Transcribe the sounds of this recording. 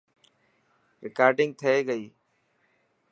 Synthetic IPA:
ɾɪkaːɾɖɪ̃ŋɡ̚t̪ʰəeːɡəiː

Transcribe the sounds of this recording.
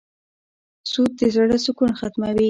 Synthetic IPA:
sud̪̚d̪əzaɽasʊkunxat̪mawi

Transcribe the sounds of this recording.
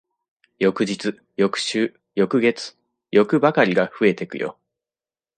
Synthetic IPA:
jo̞kɯ̟ʑit͡sɨ | jo̞kɯ̟̥ɕɨː | jo̞kɯ̟ɡe̞t͡sɨ̥ | jo̞kɯ̟bakaɾʲiɡaɸɯ̟e̞t̪e̞kɯ̟̰jʔo̰

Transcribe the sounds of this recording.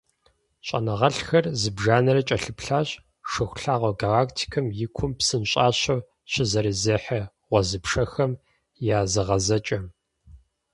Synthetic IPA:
ɕʼɐ̰nɐʁɐɬxɐrzɨbʒaːnɐɾɐt͡ʃʼɐɬɨpɬaːɕʼ | ʂɨxʷɬaːʁʷɐɡalaːktʰi̥kʰɐmjɪkʷʰʊmpsɨnɕʼaːɕɐw | ɕɪzɐɾizɐːħɐ | ʁʷɔzɨpʂɐxɐm | jaːzɨʁɐzɐt͡ʃʼɐm

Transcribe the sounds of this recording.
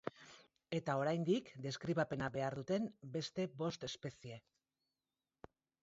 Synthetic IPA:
e̞t̪ao̞ɾajnd̪ikd̪e̞skɾiβape̞nabe̞aɾðut̪e̞mbe̞st̪e̞βo̞st̪e̞spe̞sie̞

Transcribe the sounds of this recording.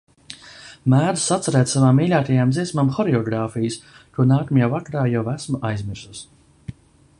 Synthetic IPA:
mæːd̪u̥sat̪sɛɾæːt̪savamːiːlʲaːt̪ajamd̪ziɛsmamxɔɾɛɔɡɾaːfijɨs | t̪uɔnaːkamjaːvakaɾaːjavæsmuʔajzmʲiɾsus

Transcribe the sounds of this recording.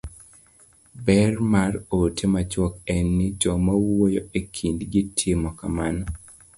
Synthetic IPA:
bɛrmarotʰemat͡ʃwɔkɛnːɪd͡ʒɔmawojoekʰindɡitʰɪmɔka̰manɔ

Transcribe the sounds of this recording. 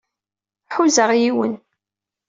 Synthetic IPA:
ħuzəʁjiwə̰n

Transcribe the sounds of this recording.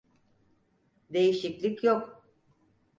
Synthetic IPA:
d̪e̞jiʃiclʲicjok

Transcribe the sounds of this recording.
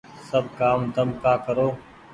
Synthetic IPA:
səb̚kaːmd̪əmkaːkəɾoː

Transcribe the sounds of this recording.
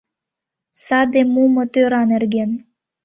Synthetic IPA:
sɑd̪emumɤ̆t̪øɾɑnerɡen

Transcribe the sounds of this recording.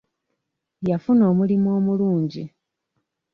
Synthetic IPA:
jafuno̞ːmulimwoːmuluːɲɟi

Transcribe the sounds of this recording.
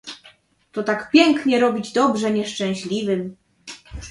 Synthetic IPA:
t̪ɔt̪akpʲjɛŋkɲɛɾɔbʲid͡ʑd̪ɔbʐɛɲɛʂt͡ʂɛ̃w̃ɕlʲivɘm

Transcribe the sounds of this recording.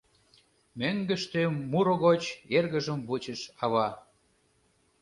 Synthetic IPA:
møŋɡə̆ʃt̪emuɾoɣot͡ɕerɣəʒəmβut͡ɕəʃɑβɑ

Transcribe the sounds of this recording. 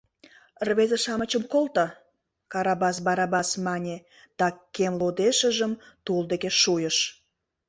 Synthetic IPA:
rβezeʃɑmət͡ɕəmkolt̪ɑ | kɑɾɑbɑs̬bɑɾɑbɑsmɑnʲe | d̪̥ɑkemlod̪eʃəʒəm | t̪uld̪ekeʃujəʃ

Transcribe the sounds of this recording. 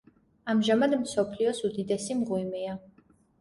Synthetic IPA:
amʒamad̪msɔpʰliɔsud̪id̪ɛsimʁwimia

